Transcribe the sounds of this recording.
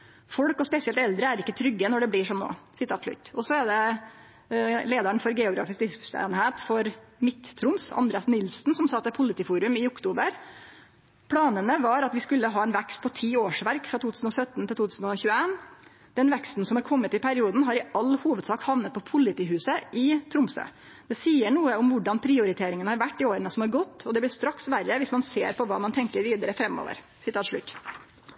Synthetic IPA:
fɔɽkɔspɛsɪɛlt̪ɛld̪ɾəæɾɪkːət̪ʰɾʏɡːənɔɖɛbliːʂɔmno̰ːsɪt̪ʰɑːt̪ʂɭʉ̰t̪ːɔsɔæɖɛ | leːd̪əəɳfɔɾɡɛːʊɡɾɑ̰ːfɪsk̚d̪ɪsst̪ḛːnheːt̪fɔɾmɪt̪t̪ʰːɾʊmsɑ̰nd̪ɾeːɑsnɪlsn̩sɔmsɑt̪ːɛpʰʊlːɪt̪iːfuːɾʉmɪʊkt̪uːbəɾ | pʰɽɑːnənəʋɑɾɑt̪ʋɪskʉlːəɦɑːɛɪnʋɛkst̪̚pʰɔt̪ʰiːoːʂʋæɾkfɾɑt̪ʰuːt̪ʰʉːsn̩ɔsœt̪ːnt̪ɪlt̪uːt̪ʰʉːsnɔçʉːəeːn | d̪̥ɛnʋɛkst̪n̩sɔmɑɾkʰɔmːət̪ɪpʰæɾɪuːd̪n̩ɦɑɾɪɑlːhuːʋəd̪sɑːkhɑʋnət̪̚pʰɔpʰʊlːɪt̪iːhʉːsəʔɪt̪ʰɾʊmsø̰ː | d̪̥ɛsiːəɳuːəʊmʋʊɖɑnpʰɾɪʊɾɪt̪ʰeːɾɪŋənhɑɾʋæʈːɪoːɾənəsɔmɑɾɡɔt̪ːɔd̪ɛblɪɾʂt̪ɾɑksʋæɾːəʋɪsmɑnseːɾpʰɔʋɑ̰ːmɑnt̪ʰɛŋkəɾʋiːd̪əɾəfɾɛmːo̰ːʋə̰ɾ | sɪt̪ʰɑːt̪ʂɭʉ̰t̪ː

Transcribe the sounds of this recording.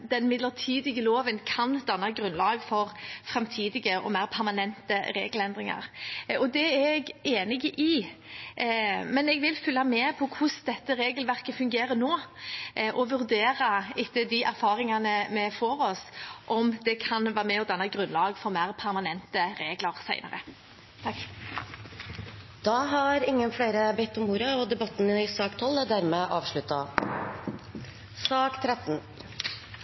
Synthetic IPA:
d̪ɛnmɪd̪ləʁt̪ʰiːd̪ɪɡəloːʋənkʰɑnd̪ɑnːɑɡɾʉnlɑːɡfɔɾfɾɛmt̪ʰiːd̪ɪɡəʔɔ̰mæɪɾpʰæɾmɑnɛnt̪əɾḛːɡəlɛnd̪ɾɪŋɑ̰ʁɔd̪ɛɛɡeːnɪɡəʔɪ | mɛnɛɡʋɪlfʏlːɑmɛpʰɔkʰʊsd̪ɛt̪ːəɾeːɡəlʋæʁkəfʉŋɡeːɾənoː | ʔɔʋʉɾd̪eːɾɑɪt̪ːəd̪ɪʔæɾfɑːɾɪŋɑnəmɛfɔɾɔsʔɔmd̪ɛkʰɑnʋæːɾmɛɔd̪ɑnːɑɡʁʉnlɑːɡfɔɾmæːʁpʰæʁmɑnɛnt̪əɾeːɡləʁsæɪnə̰ʁə̰ | t̪ʰɑk | d̪̥ɑɦɑɾɪŋːənflæɪɾəbɛt̪ːɔmuːɾəɔd̪ɛbɑt̪ːnəɪsɑːkt̪ʰɔlːæd̪æɾmɛʔɑːʋʂɭʉt̪ːɑ | sɑːkt̪ʰɾɛt̪n̩

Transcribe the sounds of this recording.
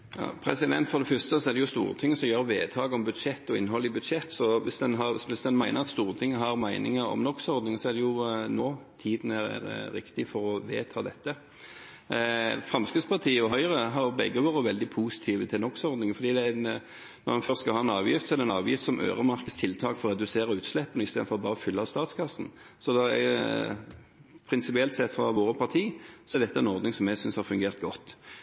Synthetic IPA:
jɑ̰pʰɾɛsɪd̪ɛnt̪fɔɾd̪ɛfʏst̪əsɔæd̪ɛjʊst̪ṵːɾət̪ʰɪŋːəsɔmjøːɾʋeːt̪ʰɑːɡɔmbʉd̪ʂɛt̪ːɔɪ̰nːəɦɔlːɪbʉd̪ʂɛt̪ːsɔʋɪsd̪ɛnɦɑɾsʋɪsd̪ɛnmæɪnəʁɑt̪st̪uːɾət̪ʰɪŋːəɦɑɾmæɪnɪŋəɾɔ̰mnɔkːsɔɾd̪nɪŋsɔæd̪ɛjʊnoːt̪ʰiːd̪ən̩æɾ̰ɾɾɪkt̪ɪfɔɾɔʋḛːt̪ʰɑːd̪ɛt̪ːə | fʁɑmskəd̪spʰɑʁt̪ʰiːəɔɦœʏɾəɦɑɾbɛɡːəʋoːɾəʋɛld̪ɪpʰusɪ̥t̪ʰiːʋət̪ʰɪlnɔkːsɔɾd̪nɪŋəfɔɾd̪iːd̪ɛæ | nɔ̰ɾmɑnfœɾskɑhɑːɛnɑːʋjɪft̪sɔɛʁd̪ɛnɑ̰ːʋjɪft̪sɔmʔø̰ːʁəmɑʁkəst̪ʰɪlt̪ʰɑːkfɔɾɔʁɛd̪ʉseːɾəʉːt̪slɛpːənɔɪst̪eːd̪̩fɔɾɔbɑːɾəfʏlːɑst̪ɑːt̪skʰɑsn̩ | sɔd̪ɛɛ̰ | pʰɾɪnsɪpɪɛlt̪sɛt̪ːfɾɑʋoːɾəpʰɑʁt̪ʰiːsɔɛɾd̪ɛt̪ːəɛnɔɾd̪nɪŋsɔmjæɡsʏnshɑɾfʉŋɡeːʁt̪ɡɔt̪ː

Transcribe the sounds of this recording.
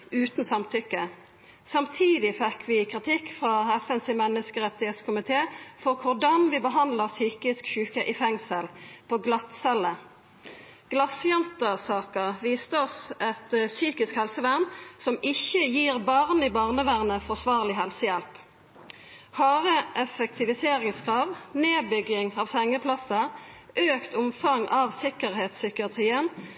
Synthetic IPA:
ʉːt̪n̩sɑmt̪ʰʏkːə | sɑmt̪ʰiːd̪ɪfɛkʰʋɪkʰʁɪt̪ʰɪkfʁɑɛfɛnsɪmɛnːəskəʁɛt̪ɪheːt̪skʰʊmɪt̪ʰeːfɔʁkʰʊʁd̪ɑnʋɪbəɦɑnd̪ləʁsyːkɪskʃʉːkəʔɪfɛŋsəlpʰoːɡlɑt̪sɛlə | ɡ̥lɑsjɛnt̪əsɑːkəʋiːst̪əɔsɛt̪syːkɪskhɛlsəʋæʁnsɔmɪçəjiːʁbɑʁniːbɑːʁnəʋæʁnəfɔʁsʋɑːʁlɪɦɛlsəjɛlp | hɑːʁəʔɛfək̚t̪ʰɪʋɪseːʁɪŋskʰʁɑːʋneːbʏɡɪŋɑːʋsɛŋːəpʰlɑsəʔøːkt̪ʊmfɑŋɑːʋsɪkəʁheːt̪sʏkɪɑt̪ʰʁiːən

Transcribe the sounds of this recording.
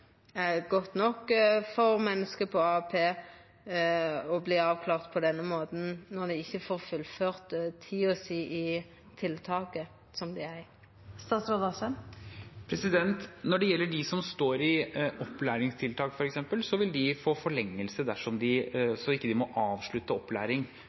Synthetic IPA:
ɛɡɔt̪ːnɔkːfɔɾmɛnːəskəpʰɔɑpʰeː | ɔbliːɑːʋkʰlɑːʁt̪pʰɔd̪ɛnːəmoːt̪n̩nɔʁd̪ɛɪçːəfoːʁfʉlføːʁt̪t̪ʰiːɔsiːʔɪ | t̪ʰɪlt̪ʰɑːkə | sɔmd̪ɪæ | st̪ɑːt̪sɾoːd̪ɑsənpʰɾɛsɪd̪ɛnt̪nɔɖɛjɛlːəɖɪsɔmst̪oːɾɪɔpːlæːɾɪŋst̪ʰɪlt̪ʰɑːkfɔɾɛksɛmpəlsɔʋɪld̪ɪfoːfɔɭɛŋːəlsəd̪æʂɔmd̪ɪsɔɪkːəd̪ɪmɔʔɑːʋʂɭʉt̪ːəɔpːlæ̰ːɾɪŋ

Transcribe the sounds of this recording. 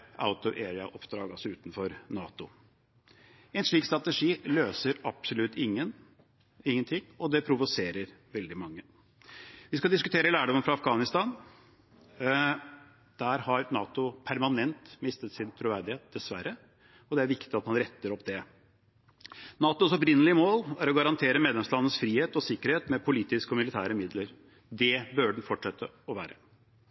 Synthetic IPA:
ʔa̰ʊt̪ʊʔeːɹɪɑʔɔpd̪ɾɑːɡɑsɔʉːt̪n̩fɔɾnɑːt̪ʊ | ɛnʂɭiːkst̪ɾɑt̪əʂiːløːsəɾɑpsʊlʉt̪ːɪŋːən | ɪŋːənt̪ʰɪŋːɔd̪ɛpʰɾʊʋʊseːɾəɾʋɛld̪ɪmɑŋːə | ʋɪskɑd̪ɪskʉt̪ʰeːɾəlæːɖɔmənfɾɑɑfɡɑːnɪst̪ɑːn | d̪̥æɾhɑɾnɑːt̪ʊpʰæɾmɑnɛnt̪mɪst̪ət̪sɪnt̪ʰɾʉʋæɾd̪ɪheːt̪̚d̪̥ɛsʋæ̰ɾːə | ɔd̪ɛæɾʋɪkt̪ɪɑt̪mɑnɾɛt̪ːəɾɔpːd̪ɛ | nɑːt̪ʊsɔpɾɪnəlɪəmoːlæɾɔɡɑɾɑnt̪ʰeːɾəmeːd̪lɛmslɑnənəsfɾiːheːt̪ɔsɪkːəɾheːt̪mɛpʰʊliːt̪ɪskəɔmɪlɪt̪ʰæːɾəmɪd̪ləɾ | d̪ɛbøːɖɛn̩fɔʈʂɛt̪ʰːə | ɔʋæ̰ːɾə

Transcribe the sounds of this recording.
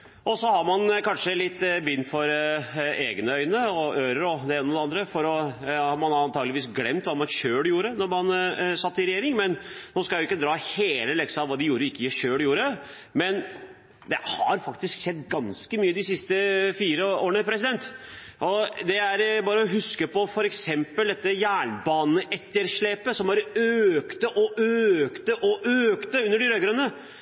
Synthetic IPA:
ʔɔsɔhɑɾmɑnkɑnʂəlɪt̪ːbʏnːfɔɾ | eːɡnəœʏnəɔʔøːɾəɾɔd̪ɛeːnəɔd̪ɛɑnd̪ɾəfɔɾɔhɑmɑnɑɑnt̪ʰɑːɡlɪʋiːsɡlɛmt̪ʋɑːmɑnʃøːɽjuːɾənɔɾmɑnsɑt̪ːɪɾɛjeːɾɪŋmɛnnoːskɑjʊɪkːəd̪ɾɑːheːləlɛksɑʋɑːd̪ɪjuːɾəɪkːəjɪʃøːɽjuːɾə | mɛn | d̪ɛhɑɾfɑkt̪ɪsksɛd̪ːɡɑnskəmyːəd̪ɪsɪst̪əfiːɾəoːɾəɳəpʰɾɛs̬ɪd̪ɛnt̪ʔɔd̪ɛæɾbɑːɾəɔɦʉskəpɔfɔɾɛksɛmpəld̪ɛt̪ːəjæːɳbɑːnnəʔɛt̪ːəɾʂɭeːpəsɔmhɑɾøkt̪əʔɔøkt̪əʔɔʔøːkt̪əʉnːəɖɪɾøːɡɾœnːə

